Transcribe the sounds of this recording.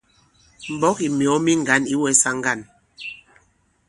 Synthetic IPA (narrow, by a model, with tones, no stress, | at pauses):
m̩˨bɔ˦ki˨mjɔ˨˦mi˦ŋ̩˨ɡa˨˦ni˦wɛ˦sa˦ŋ˦ɡa˦˨n